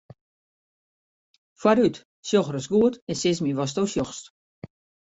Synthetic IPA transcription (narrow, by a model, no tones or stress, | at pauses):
fwaɾyt | sjoxərəsɡuətɛnsɪsmiʋɔs̬towsjoxst